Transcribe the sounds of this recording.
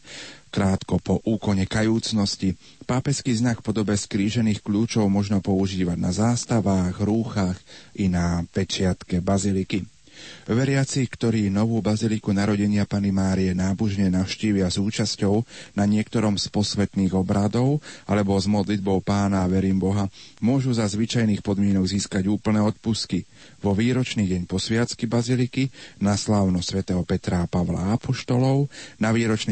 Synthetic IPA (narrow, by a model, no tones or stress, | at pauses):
kɾaːt̪kɔpɔʔuːkɔɲɛkajuːt͡snɔsci | paːpɛskiːznakfpɔd̪ɔbɛskɾiːʒɛniːxkʎuːt͡ʃɔʊmɔʒnɔpɔuʒiːʋaɟnazaːst̪aʋaːɣɾuːxaxʔinapɛt͡ʃɪat̪kɛbaziliki | ʋɛɾɪat͡sikt̪ɔɾiːnɔʋuːbazilikunaɾɔɟɛɲɪapanimaːɾiɛnaːbuʒɲɛnaʊʃciːʋɪazuːt͡ʃascɔʊnaɲɪɛkt̪ɔɾɔmspɔsʋɛt̪niːɣɔbɾad̪ɔʊʔalɛbɔzmɔd̪lid̪̚bɔʊpaːnaːʋɛɾiːmbɔɦamʊɔʒuzazʋit͡ʃajniːxpɔd̪mɪɛnɔɡziːskaɟuːpl̩nɛːɔt̪̚puski | ʋɔʋiːɾɔt͡ʃniːɟɛɲpɔsʋɪat͡skibazilikinaslaːʊnɔsʋɛt̪ɛːɦɔpɛt̪ɾapaʋla̰apɔʃt̪ɔlɔʊnaʋiːɾɔt͡ʃni